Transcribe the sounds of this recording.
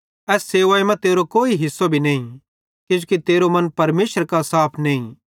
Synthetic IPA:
ɛːsːeːʋaːemɛ̃t̪eːɾokoːiɦɪsːobʱinɐːĩ | kʊ̃d͡ʒokit̪eːɾomɐ̃npɐɾmeːʃəɾkasaːpʰnɐːḭ̃

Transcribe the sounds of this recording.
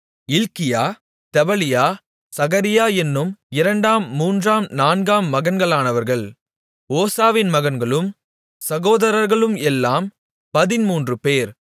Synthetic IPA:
ɪlkɪjaː | t̪ɛʋɐlɪjaː | sɐɣɐɾɪjaːɛnːɯmɪɾɐɳɖaːmːuːndraːmnaːnɡaːmːɐɣɐnɡɐɭaːnɐʋɐɾɣɐɭ | oːsaːʋɪnmɐɣɐnɡɐɭɯm | sɐɣoːðɐɾɐɾɣɐɭɯmɛlːaːm | pɐðɪnmuːndrɯpeːɾ

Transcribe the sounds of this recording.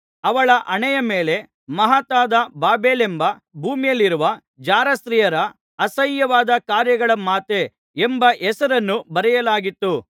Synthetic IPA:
ɐʋɐɭɐʔɐɳɛjɐme̞ːle̞ | mɐɦɐt̪aːd̪ɐbaːbeːlembɐbʱuːmijɐlːiɾuʋɐ | d͡ʒaːɾɐst̪ɾijɐɾɐː | sɐjːɐʋaːd̪ɐkaːɾjɐɡɐɭɐmaːt̪e | embɐʔɛsɐɾɐnːubɐɾɛjɐlaːɡit̪ːu

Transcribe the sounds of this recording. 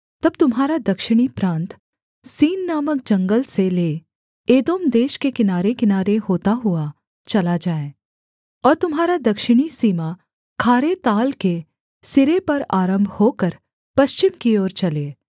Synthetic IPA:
t̪ɐb̚t̪ʊmɦaːɾad̪ɐkʃɪɽ̃ipɾãːnt̪ | siːnːaːmək̚d͡ʒɐ̃ŋɡəlseleː | eːd̪oːmd̪eːʃkekɪnaːɾekɪnaːɾeɦoːt̪aɦʊa | t͡ʃɐlad͡ʒaːe | ɔːɾt̪ʊmɦaːɾad̪ɐkʃɪɽ̃isiːma | kʰaːɾet̪aːlke | sɪɾepɐɾaːɾə̃mbʱhoːkəɾ | pɐʃt͡ʃɪmkiɔːɾt͡ʃɐleː

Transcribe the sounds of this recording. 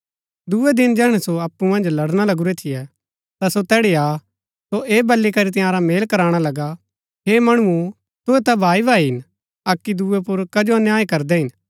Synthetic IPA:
d̪uɛd̪ɪnd͡ʒɛːɦɽ̃ɛsoɐpːumɐ̃nd͡ʒlɐɽɽ̃alɐɡuɾɛt̪ʰɪjɛ | t̪asot̪ɛːɽiaː | soʔeːbɐlːikɐɾit̪̬ɪ̃jãːɾameːlkɐɾaːɽ̃alɐɡa | ɦeːmɐɽ̃uu | t̪ʊɛt̪abʱaːibʱaːiɦɪn | ɐkːid̪uːɛpʊɾkɐd͡ʒoɐnjaːikɐɾd̪ɛɦɪn

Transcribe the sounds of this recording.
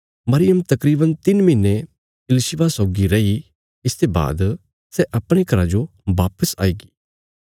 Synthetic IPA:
mɐɾɪjəmt̪ɐkɾiːbənt̪ɪnmɪ̃nːe | ɪlɪʃɪʋasɔːɡiɾɐi | ɪst̪eba̰ːd̪ | sɛʔɐpɽ̃ekʰɐɾad͡ʒoʋaːpəsa̰ːiːɡi̥ː

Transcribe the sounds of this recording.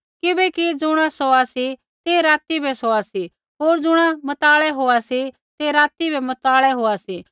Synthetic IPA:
kɪbɛkid͡zʊɽ̃asoasi | t̪eɾaːt̪ibʱɛsoasi | ɦoːɾd͡zʊɽ̃amɐt̪aːɭɛɦoasi | t̪eɾaːt̪ibʱɛmɐt̪aːɭɛɦoːasiː

